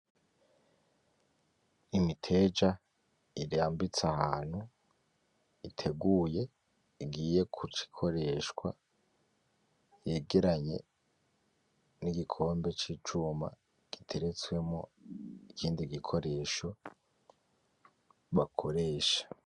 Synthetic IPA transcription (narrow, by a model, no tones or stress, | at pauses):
imitʰe̞d͡ʒa | iɾiaːmbit͡sahaːn̥hu | itʰe̞ɡuːje̞ | iɡiːje̞kʰut͡ʃi̥kʰo̞ɾe̞ːʃkwa̰ | je̞ːɡe̞ɾaɲe̞̰ | niɡikʰo̞ːmbe̞t͡ʃiːt͡ʃuːma̰ | ɡ̥itʰe̞ɾe̞t͡swe̞mo̞̰ikʰiːndiɡikʰo̞ɾe̞ʃo̞ | βakʰo̞ɾe̞ːʃḁ